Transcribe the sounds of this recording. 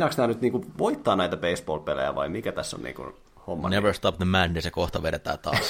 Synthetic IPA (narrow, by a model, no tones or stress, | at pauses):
nɑksnæːnyt̪niːŋkuʋoit̪ːɑːnæit̪æpeisb̥o̰ːlpelḛjæ̰ʋɑ̰imikæt̪æsːo̰nnḭːŋkṵn | homːɑ̰neʋəɹst̪ɑp̚ðəmændesekoht̪ɑʋeɾet̪æ̰ːt̪ɑ̰ː